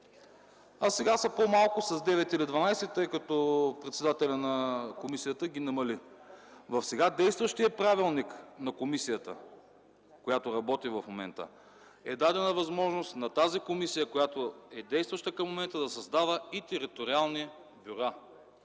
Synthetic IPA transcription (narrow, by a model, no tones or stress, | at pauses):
asɛɡasəpomalˠkʊsɐzd̪ɛvɛt̪ilid̪vɐnajsɛt̪ːɤjkɐt̪ɔpɾɛt̪sɛd̪at̪ɛlʲɐnɐkomisijət̪əɡʲinɐmɐli | vɐfsɛɡad̪ɛjst̪vəʃt̪ijəpɾavilˠniknɐkomisijət̪ə̰ | kojat̪oɾɐbɔt̪ivɐfmomɛ̰nt̪ə̰ | ɛd̪ad̪ɛnəvɐzmɔʒnost̪nɐt̪azikomisijəkojat̪oɛd̪ɛjst̪vəʃt̪əkɐmːomɛnt̪əd̪ɐsɐzd̪avəit̪ɛɾit̪oɾialˠni | bʲuɾa